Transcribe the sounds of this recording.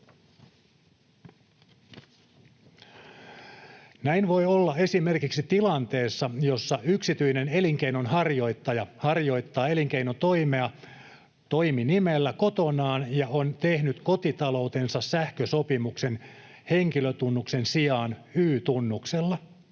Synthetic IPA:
næinʋo̞jolːɑe̞sime̞rkiksit̪ilɑnt̪e̞ːsːɑjo̞sːɑyksit̪yine̞ne̞liŋkeinonhɑrjo̞jt̪ːɑjɑhɑrjo̞jt̪ːɑːe̞liŋk̟einot̪o̞jmeɑ | t̪o̞jminimelːæko̞t̪o̞nɑːnjɑont̪ehnyt̪ko̞t̪it̪ɑlo̞wt̪e̞nsɑssæhkøso̞pimukse̞n | he̞ŋkiløt̪unːukse̞nsiɑːnyːt̪unːukselːɑ

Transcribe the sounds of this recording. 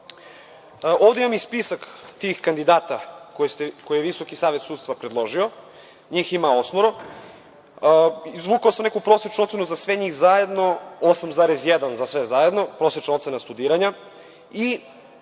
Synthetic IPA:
ʔoːvd̪e̞imamispisakt̪iːxkand̪id̪aːt̪akosekojijeʋiso̞kisaːʋet̪suːt̪st̪ʋapɾed̪lˠo̞ʒio̞ | ɲiːximao̞smoɾo | izʋukaosamnekupɾo̞set͡ʃnuot̪senuzasʋeɲixzaje̞d̪no̞osamzaːɾesjed̪anzasʋezajed̪no̞pɾo̞ːsjet͡ʃnaot̪senast̪ud̪iːɾaɲa | i

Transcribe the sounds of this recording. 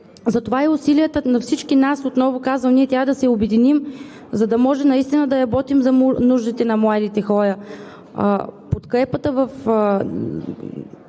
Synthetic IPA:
zɐt̪ovaiʊsilijət̪ənɐfsit͡ʃkinasot̪nɔvʊkazvəmniɛt̪ɾʲavəd̪ɐsɛobɛd̪inim | zɐd̪ɐmɔʒɛmnɐist̪inəd̪ɐɾɐbɔt̪imzɐmunuʒd̪it̪ɛnɐmlˠad̪it̪ɛxɔɾə | pot̪kɾɛpət̪əvəf

